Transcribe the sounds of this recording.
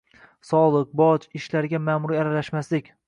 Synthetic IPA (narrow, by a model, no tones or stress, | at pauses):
sɒlˠɨq̚bɒt͡ʃɪʃlaɾɡʲamamʊɾiaɾalaʃmaslɪkʲ